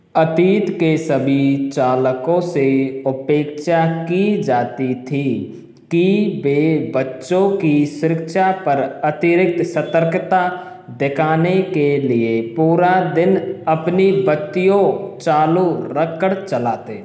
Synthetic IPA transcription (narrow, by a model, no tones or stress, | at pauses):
ət̪iːt̪kesəbʱit͡ʃaːləkõseʊpeːkʃakid͡ʒaːt̪it̪ʰi | kibeːbətːʃõkisʊɾɪkʃapɐɾɐt̪ɪɾɪk̚t̪sət̪əɾkt̪a | d̪ɪkʰaːnekeliepuːɾad̪ɪnɐpnibət̪ːijõt͡ʃaːluɾəkːəɽt͡ʃəlaːt̪eː